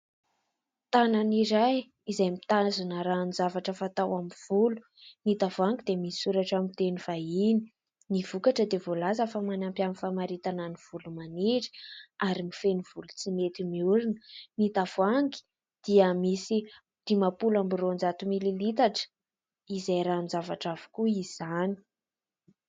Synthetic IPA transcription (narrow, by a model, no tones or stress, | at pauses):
t̪ananiɾaj | izajmit̪azinəɾanizavaʈ͡ʂəfat̪awamiv̥ulu̥ | nit̪avaŋɡid̪emisisuɾaʈ͡ʂamit̪eniv̥aini | niv̥ukaʈ͡ʂəd̪evolazəfamanampjamifamaɾit̪ananiv̥ulumaniʈ͡ʂi̥aɾimifeniv̥ulut͡simet̪imiuɾinənit̪av̥aŋɡi̥ | d̪̥iəmisi | d̪̥imapulambirond͡ʒat̪umililit̪aʈ͡ʂə̥ | izajɾanzavaʈ͡ʂavu̥kuiz̥ani̥